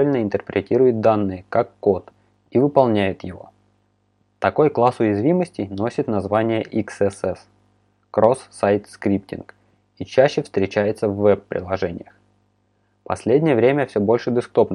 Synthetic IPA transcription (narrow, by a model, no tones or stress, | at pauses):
ɪlʲnəɪnt̪ərpɾʲɪtʲiɾʊjʊt̪̚d̪anːɨjəkakːot̪ | ivɨpɐlˠnʲæjɪt̪jɪvo̞̰ | t̪ɐko̞jklˠasʊjɪzvʲiməsʲtʲɪjno̞sʲɪt̪nɐzvanʲɪjəʔiksɛsɛs | kɾo̞sːajt̪skɾʲip̚tʲɪ̰nk | it͡ɕæɕːɪfst̪ɾʲɪt͡ɕæjɪt̪səvːɛpːɾʲʔɪ̰lˠɐʐɛnʲɪ̰jəx | pɐ̰sʲlʲedʲnʲɪjəvɾʲemʲəfsʲobo̞lʲʂɨb̪ʲɪskt̪opnə